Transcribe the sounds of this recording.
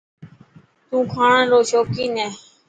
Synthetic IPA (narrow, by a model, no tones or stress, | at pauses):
t̪ũːkʰaːɳãːloːʃoːkiːnɛ̃ː